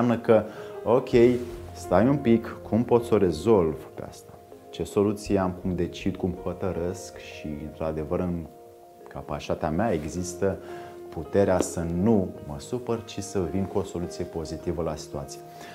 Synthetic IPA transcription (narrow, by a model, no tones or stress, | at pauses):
amnəkəo̞kʲʰe̞jst̪ajunpikːumpo̞t̪so̞ɾe̞zo̞lvpea̰st̪ḁt͡ʃe̞so̞lut̪sijeamkumd̪e̞t͡ʃid̪kumho̞t̪əɾeskʃiɨ̰nt̪ɾad̪e̞vəɾɨn | kapaʃat̪eameae̞ɡzist̪əput̪e̞ɾeasənuməsupərt͡ʃisəvinkuo̞so̞lut̪sije̞po̞zit̪ivəlasi̥t̪uat̪sije